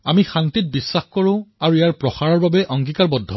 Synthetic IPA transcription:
amixantit̚bisːaxkoɹʊ̃aɹuejaɹpɹɔxaɹɔɹbabɛʔɔŋkikaɹbɔdʱːɔ

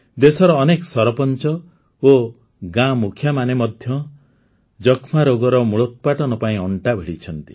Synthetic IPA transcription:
d̪esɔɾɔːnekɔsɔɾpɔnt͡ʃɔ | o | ɡãmukʰjamanemɔd̪ʱjɔ | d͡ʒɔkʰmaɾoɡɔɾɔmuɭɔt̪̚paʈɔnɔpaĩɔɳʈabʱeɭit͡ʃʰɔnt̪i̥

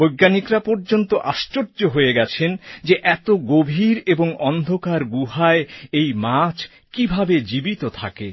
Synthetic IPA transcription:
bojɡːanikɾapɔɾd͡ʑont̪oʔaʃt͡ɕoɾd͡ʑoɦojeɡɛt͡ɕʰend͡ʑeʔɛt̪oɡobʱiɾeboŋɔnd̪ʱokaɾɡuɦaeejmat͡ɕʰ | kibʱabed͡ʑibit̪ot̪ʰa̰ke

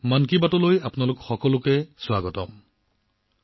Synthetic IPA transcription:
mankibatɔlojapnalʊkxɔkɔlʊkɛswaɡɔtɔm

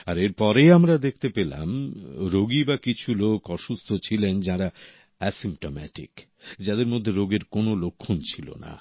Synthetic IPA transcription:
aɾeɾpɔɾejamɾad̪ekʰt̪epela̰mɾoɡibakit͡ɕʰulokɔʃust̪ʰot͡ɕʰilend͡ʑaɾa | ɛsimʈomɛ̰ʈḭk | d͡ʑad̪eɾmod̪ʱːeɾoɡeɾkonolokʰːont͡ɕʰilo̰na̰

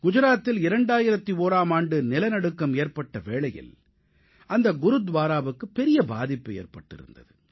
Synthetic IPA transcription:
ɡ̥ʊd͡ʒʊɾaːt̪ːɪlɪɾɐɳɖaːjɪɾɐt̪ːioːɾaːmaːɳɖɯnɪlɐnɐɽɯkːɐmeːɾpɐʈːɐʋeːɭɐjɪ̰l | ʔɐnd̪ɐɡʊɾɯd̪ʋaːɾaːʋɯkːɯpːɛɾɪjɐba̰ːðɪpːɯḛːɾpɐʈːɪ̰ɾɯ̰nd̪ɐðɯ

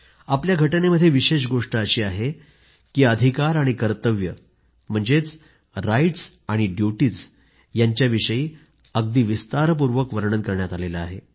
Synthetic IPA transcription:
apljaɡʱəʈəneməd̪ʱjeʋiɕeɕ̬ɡoʂʈəːɕiːaɦe | kiːəd̪ʱikaɾaɽ̃ikəɾt̪əʋjə | m̤əɳd͡zet͡s | ɾaiʈs | aɽ̃iɖjuʈiːt͡s | jaɲt͡ɕjaʋiʂəjiː | əɡd̪iːʋist̪aɾəp̬uɾʋəkʋəɾɳənkəɾɳjat̪aleləaɦe

